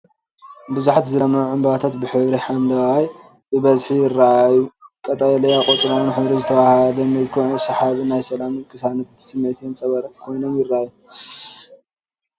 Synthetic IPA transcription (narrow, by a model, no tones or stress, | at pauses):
bɨzuħat̪zɨlɐmɐɾuʕɨmbɐβat̪ʰat̪bɨħɨβɾiħand̪ɐwaj | bɨβɐzħijɪrːaʔajukʼɐt̪ʼɐjɐlɐjakʼot͡sʼɾomunħɨβɾizɨt̪ʰɐwahhlɐnɨlkʰoʕsɐħaβnajsɐlamkʼɨsanɐt̪ʰt̪ʰsɨmːʕt̪ʰint͡sʼɐβɐɾkʰo̞jnomjɪrːaʔaju